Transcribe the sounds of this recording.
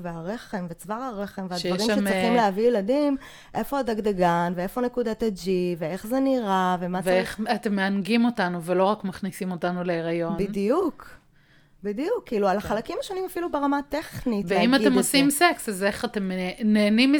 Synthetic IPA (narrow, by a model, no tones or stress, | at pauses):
veaʁe̞χe̞mvet͡svaʁaʁe̞χemveadʃjaʁimʃemʁiχimleɦavijeladim | ʔe̞fo̞adaɡdaɡanveefo̞ne̞kudated͡ʒivee̞χzeniʁavemaveeχatemːeanɡimo̞tanuvelo̞ʁakmaχnisimotanuleeʁajo̞nbidijuk | bid̪ijukːiːlualaχalakimaʃo̞nimafilubeʁamate̞χnitveimatemosimseksazeχatemeneːnim